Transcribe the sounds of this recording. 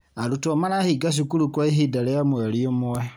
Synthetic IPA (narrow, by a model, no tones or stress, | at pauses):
alutomanahiɡaʃ̬ukulukwaiɦidalɛamweliomuwe